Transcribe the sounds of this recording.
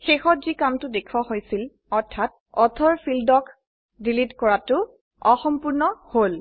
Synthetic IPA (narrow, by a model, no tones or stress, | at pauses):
xexɔtzikamtʊdekʰwahojsil | ɔɹtʰat̚ | ɔtʰɔɹpʰildɔk | dilitkɔɹatʊ | ɔxɔmpuɹnɔhol